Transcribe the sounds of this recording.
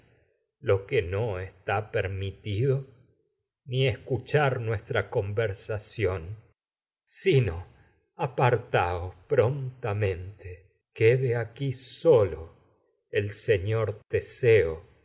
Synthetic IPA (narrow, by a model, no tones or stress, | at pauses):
lo̞kenoest̪apeɾmit̪iðo | nieskut͡ʃaɾnwest̪ɾako̞mbeɾsasjon | sino | apaɾt̪aospɾo̞nt̪amẽnt̪e | keðeakisolo | elseɲoɾt̪eseo